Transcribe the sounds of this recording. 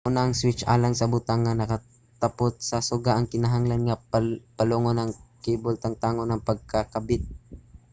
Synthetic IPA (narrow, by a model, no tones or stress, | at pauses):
ʔunaʔɐŋswɪt͡ʃʔa̰ːlaŋsɐbʊt̪aŋːɐnɐkɐ | t̪ɐpot̪̚sɐsʊɡaʔɐŋkɪnɐɦaŋlanŋapɐloŋonɐŋkibʊlt̪ɐŋt̪aːŋonɐŋpɐɡ̚kakɐbɪt̪̚